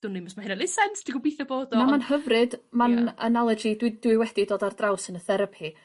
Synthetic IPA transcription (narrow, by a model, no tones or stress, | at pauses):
d̥ʊniməsmaɪnalɪsɛnsd̥iɡubiːθɛboːdɔnamanhəvrɨdmana̰nalˠɛd͡ʒidwɨd̥wɨwɛd̥idoːdardrawsənəθɛɾəpʰi